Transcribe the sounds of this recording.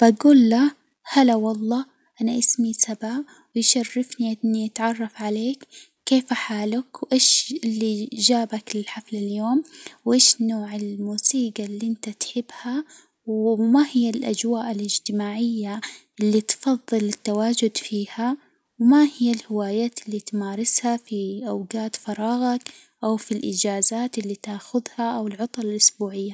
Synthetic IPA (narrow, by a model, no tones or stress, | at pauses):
b̥aɡuːlːa | halawɑlˤːɑː | ʔanaʔɪsmisaba | wɪjʃarːɪfniʔɪnːiʔat̪ʕɑrˤːɑfʕaleːkː | eːfaħaːlʊkwʔeːʃɪlːid͡ʒaːbaklɪlħaflɪljoːmwʔeːʃnoːʕɪlmuːsiːɡalːiʔɪnt̪at̪ħɪbːha | wmahɪjːalʔa̰d͡ʒwaːʔɪlɪd͡ʒt̪ɪmaːʕɪjːaʔɪlːit̪fɑðˤːɨlɪt̪ːawaːd͡ʒʊd̪fiːha | wmahɪjːalhɪwaːjaːt̪ɪlːit̪maːɾˤɪshafiʔawɡaːt̪fɑɾˤɑːɣɑk | ʔawfilʔɪd͡ʒaːzaːt̪ʔɪlːit̪aːxʊðhaʔawɪlʕʊt̪ˤɑlalʔʊsbuːʕɪjːa